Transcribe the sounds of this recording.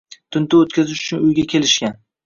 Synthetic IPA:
t̪ʰʊnt̪ʰɪot̪̚kʲazɪʃʊ̥t͡ʃʰʊnʊjɡʲakʲe̞lɪʃkʲan

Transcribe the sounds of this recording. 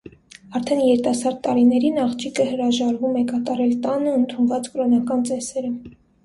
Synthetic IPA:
ɑɾt̪ʰɛnjɛɾt̪ɑsɑɾt̪ːɑɾinɛɾinɑχt͡ʃʰikʰəhəɾɑʒɑɾvumɛkɑt̪ɑɾɛlt̪ɑnəənt̪ʰunvɑt͡skɾɔnɑkɑnt͡sɛsɛɾə

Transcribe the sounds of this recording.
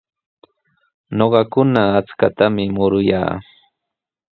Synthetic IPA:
ɲoɢɑkʊnaːt͡skat̪amɪmʊɾʊja̰ː

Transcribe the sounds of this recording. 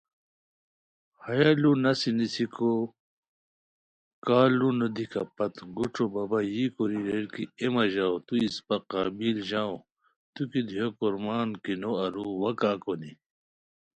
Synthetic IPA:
hɐjalunɐsinisikʰo | kaːlunod̪ikɐpɐt̪ɡuʈ͡ʂʰobɐbajikoɾiɾeɽkiemɐʑaːwt̪uispɐqaːbilʑaːo | t̪ukid̪ʱijokoɾmaːnkinoɐɾuwɐkaːkoni

